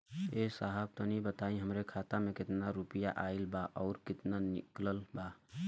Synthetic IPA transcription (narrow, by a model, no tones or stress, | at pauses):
eːsaːɦəb̚t̪onibət̪aːĩɦəmɾekʰaːt̪amẽkɪt̪naɾuːpijaʔaːɪlbaʔɔːɾkɪt̪nanɪkləlbaː